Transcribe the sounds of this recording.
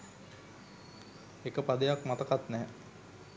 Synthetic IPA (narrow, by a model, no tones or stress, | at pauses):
ekəpad̪ejakmat̪əkat̪nɛː